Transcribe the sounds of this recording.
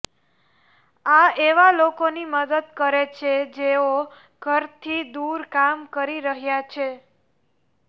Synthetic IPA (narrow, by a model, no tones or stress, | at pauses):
aeʋalokoniməd̪əd̪̚kəɾet͡ʃʰed͡ʒeo | ɡ̥ʱəɾt̪ʰid̪uɾkamkəɾiɾəɦjat͡ʃʰe